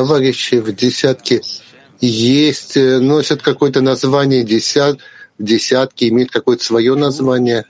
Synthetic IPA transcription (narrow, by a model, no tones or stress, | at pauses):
t̪ɐvaɾʲɪɕːɪvdʲɪsʲat̪kʲɪ | jesʲtʲnosʲət̪kɐko̞jət̪ənɐzvanʲɪjədʲɪsʲat̪vdʲɪsʲat̪kʲɪɪmʲejɪt̪̚kɐko̞jət̪ə̥svɐjonɐzvanʲɪjə